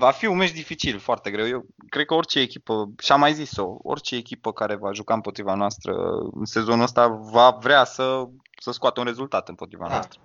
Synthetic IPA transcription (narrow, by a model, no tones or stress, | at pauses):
vafiumeʃd̪ifit͡ʃilfoart̪e̞ɡɾe̞wjew | kɾe̞d̪̚kəo̞rt͡ʃe̞ːkʲipəʃiamajziso̞o̰rt͡ʃe̞ːkʲipəkaɾe̞vaʒukaɨmpo̞t̪ɾivanoast̪ɾə̰se̞zo̞nuəs̬t̪avavɾeasə | səskʊat̪eunre̞zult̪at̪ɨmpo̞t̪ɾiva̰noa̰st̪ɾə